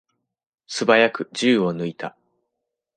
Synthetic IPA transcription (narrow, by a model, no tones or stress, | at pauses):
sɨbajakɯ̟ʑɨːo̞nɯ̟it̪a